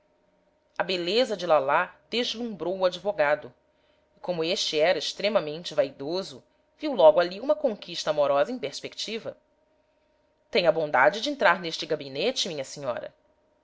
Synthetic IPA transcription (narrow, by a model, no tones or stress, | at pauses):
ɐbelezɐd͡ʒɪlalad̪eʒlũmbɾowʊad͡ʒivoɡad̪ʊ | ɪkõmʊeʃt͡ʃɪɛɾɐɪʃt̪ɾẽmɐmẽnt͡ʃɪvajd̪ozʊ | viwlɔɡʊaliũmɐkõŋkiʃt̪ɐamoɾɔzɐẽj̃peɾspekt͡ʃivɐ | t̪ẽɲ̃ɐbõnd̪ad͡ʒɪd͡ʒɪẽnt̪ɾaɾneʃt͡ʃɪɡabinet͡ʃɪmĩɲɐsiɲɔ̰ɾɐ̰